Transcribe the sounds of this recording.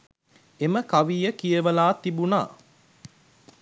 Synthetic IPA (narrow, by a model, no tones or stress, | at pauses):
eməkaʋiːəkijəʋəlaːt̪ibuna̰ː